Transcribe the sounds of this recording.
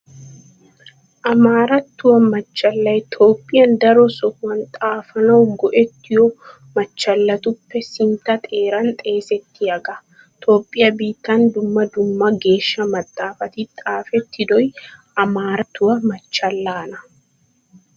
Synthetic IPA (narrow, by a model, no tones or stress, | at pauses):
ʔɐmaːɾɐt̪ːʊwɐmɐt͡ʃːɐlːɐjt̪ʰo̞ːpʼːɪjɐnd̪ɐɾɔsɔwɐnt̪ʼaːfɐnɐwʊŋɡɔʔɛt̪ːɪjɔ | mɐt͡ʃːɐlːɐt̪ʊpːɛsɪnt̪ɐt̪ʼe̞ːɾɐnt̪ʼe̞ːsɛt̪ːɪɐɡɐ | t̪ʰo̞ːpʼːɪjɐbiːt̪ːɐnd̪ʊmːɐd̪ʊmːɐɡe̞ːʃːɐmɐt̪ʼːaːfɐt̪ɪt̪ʼaːfɛt̪ːɪd̪ɔjʔɐmaːɾɐt̪ːʊwɐmɐt͡ʃːɐlːaːnɐ